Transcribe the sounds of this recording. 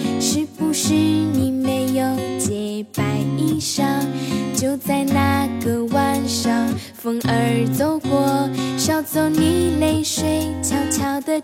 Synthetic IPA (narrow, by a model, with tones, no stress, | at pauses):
ʂɻ̩˧˥˩pu˧ʂɻ̩˥˧ni˨˩me˧˥ɪjo˨˩ʊt͡ɕjɛ˧˩pa˨˩ɪi˥˧ʂɑ˥˩ŋt͡ɕjo˥˧ʊt͡sa˥˧ɪna˧kə˩wa˥˧nʂɑ˥˩ŋ | fə˧˥ŋə˧˥t͡so˧˩ʊkwɔ˧˥ʂɑ˥˩ʊt͡so˧˥˩ʊni˨˩le˥ɪʂwe˥ɪt͡ɕʰjɑ˧˥ʊt͡ɕʰjɑ˨˥ʊd̪ə˨